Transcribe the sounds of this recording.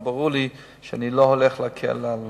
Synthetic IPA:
baʁuli | ʃanilohɔlɛχlakʰɛ̰lal

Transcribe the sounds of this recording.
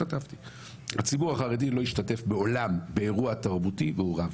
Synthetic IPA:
ataft̪i̥ | hat͡sibuʁaχaʁedilo̞iʃtate̞fbe̞o̞lambe̞eʁuataʁbutibeuʁav

